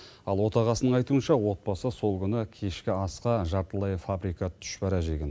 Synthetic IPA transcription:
ɑlˠwo̞t̪ɑʁɑsənəɴɑjt̪uənʃɑwo̞t̪̚bɑsəso̞lˠkʲʰʏnɪkʲʰe̞ʃkʲɪɑsqɑʒɑɾt̪əlˠɑjfabɾijkɑt̪ʰʏ̥ʃpæɾæʒeɡʲen

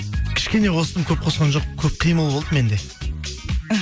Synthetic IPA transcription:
kʲʰɪ̥ʃkʲe̞ne̞wʰo̞sət̪əmkʲʰɵp̚qʰo̞sqɑnʒoq̚kʲʰɵp̚qʰijməlˠbo̞lˠd̪əme̞nd̪e̞

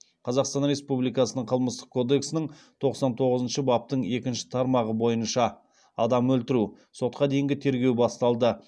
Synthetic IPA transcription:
qʰɑzɑqst̪ɑnɾe̞spublijkɑsənəɴqʰəlˠməst̪ə̥qkʰːo̞d̪e̞ksɪnɪɴ | t̪ʰo̞qsɑnt̪ʰo̞ʁəzənʃəbɑp̚t̪əɴe̞kʲɪnʃɪ̥t̪ʰɑɾmɑʁəbo̞jənʃɑ | ɑd̪ɑmɵlt̪ɪɾu | so̞t̪̚qɑd̪e̞jɪŋɡʲɪt̪ʰe̞ɾɡʲe̞wbɑst̪ɑlˠd̪ə

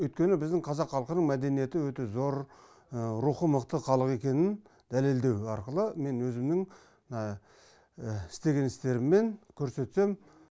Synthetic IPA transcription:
wɵjt̪̚kʲe̞nɪbɪzd̪ɪŋɴqʰɑzɑqχɑlˠqənəɴmæd̪e̞nije̞t̪ɪwɵt̪e̞zo̞ɾ | ɾuχəməqt̪əqʰɑlˠəqe̞kʲe̞nɪn | d̪æle̞ld̪e̞wɑɾqəlˠəme̞nwɵzɪmnɪŋ | nɑ | ɪ̥st̪e̞ɡʲe̞nɪst̪e̞ɾɪmːe̞nkʲʰɵɾse̞t̪se̞m

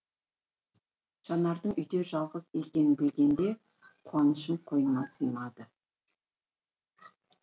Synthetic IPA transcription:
ʒ̥ɑnɑɾd̪əɴʏjd̪e̞ʒɑlˠʁəze̞kʲe̞nɪbe̞ɡʲe̞nd̪e̞ | qʰuɑnəʃəmqʰo̞jənnɑsəjnɑd̪ə

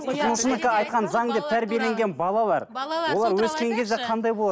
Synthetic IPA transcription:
t̪ʰənəʃənəkɑɑjt̪̚qɑnzɑɴd̪e̞p̚t̪ʰæɾbije̞le̞ŋɡʲe̞nbɑlˠɑlˠɑɾwo̞lˠɑɾwɵskʲe̞ŋkʲʰe̞zd̪eqʰɑnd̪ɑjbolˠɑ

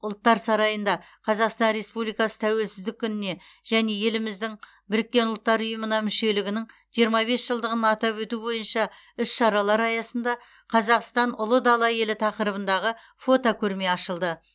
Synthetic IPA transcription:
ʊlˠt̪ːɑɾsɑɾɑjənd̪ɑ | qʰɑzɑqst̪ɑnɾe̞spublijkɑsə̥t̪ʰæwe̞lsɪzd̪ɪkʲʰːʏnɪne̞ | ʒ̥æne̞je̞lɪmɪzd̪ɪŋ | bɪɾɪkʲːe̞nʊlˠt̪ːɑɾʊjəmənɑmʏʃe̞lɪɡʲɪnɪŋ | ʒ̥ijəɾmɑbe̞sʒəlˠd̪əʁənɑt̪ɑpwɵt̪ubo̞jənʃɑ | ʏsʃɑɾɑlˠɑɾɑjɑsənd̪ɑ | qʰɑzɑqst̪ɑnʊlˠəd̪ɑlˠɑje̞lɪt̪ʰɑqəɾəbənd̪ɑʁə | fo̞t̪okʲʰɵɾme̞ɑʃəlˠd̪ə

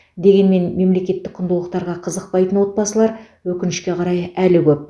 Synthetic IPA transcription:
d̪e̞ɡʲe̞nme̞nme̞mle̞kʲe̞t̪ːɪk̚qʰʊnd̪əlˠəqt̪ɑɾʁɑqʰəzəq̚pɑjt̪ənwo̞t̪̚bɑsəlˠɑɾ | wɵkʲɪnɪʃkʲe̞qʰɑɾɑjælɪkʲʰɵp̚

